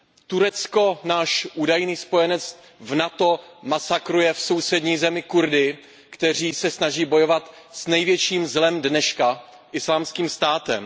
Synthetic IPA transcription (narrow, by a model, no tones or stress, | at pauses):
t̪uɾɛt͡sko̞naːʃʔuːdajniːspo̞jɛnɛt͡s | vnat̪o̞masakɾujɛfsowsɛdɲiːzɛmɪkuɾdɪ | kt̪ɛr̝iːsɛsnaʒiːbo̞jo̞vat̪ | snɛjvjɛt͡ʃiːmzlɛmdnɛʃka | ʔɪslaːmskiːmst̪aːt̪ɛ̰m